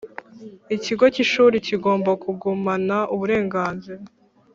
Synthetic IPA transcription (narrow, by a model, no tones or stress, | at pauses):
iciɡo̞ciʃuːɾiciɡo̞ːmbakuɡumanaʔuβuɾe̞ːŋɡaːnziɾa